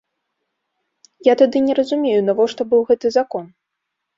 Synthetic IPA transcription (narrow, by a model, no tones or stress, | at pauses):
jat̪ad̪ɨnʲɛɾɐzumʲejunavɔʂt̪ɔbɨwɣɛt̪ɨzakɔn